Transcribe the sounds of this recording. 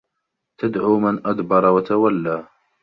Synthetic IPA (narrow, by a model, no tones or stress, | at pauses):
t̪ad̪ʕuːmanʔad̪bɑɾˤwat̪awalːaː